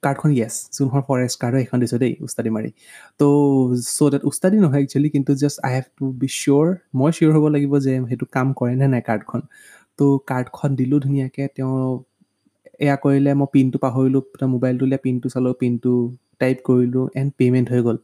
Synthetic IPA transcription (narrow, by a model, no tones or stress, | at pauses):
kaɹdkʰɔnjɛszunɦɔɹpʰɔɹɛstkaɹdɔekʰɔndisɔdejṵstadimaɹḭ | tosodatustadinɔɦɔjɛk̚t͡ʃʰlikintuzɛsa̰jɦɛbtubisuɹmɔjsiɔɹɦobɔlaɡibɔzɛxetukamkɔɹɛnɛnajkaɹdkʰɔn | tokaɹdkʰɔndilʊdʱunijakɛtɛʊ̃ | ɛ̰jakoɹilɛmɔjpintʊpaɦoɹilʊ̃tamobajltulijapintusalɔpintʊ | tajpkoɹilʊ̃ʔɛnpemɛntɦojɡol